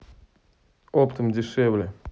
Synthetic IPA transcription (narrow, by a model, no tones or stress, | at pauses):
opt̪əmdʲɪʂɛvlʲɪ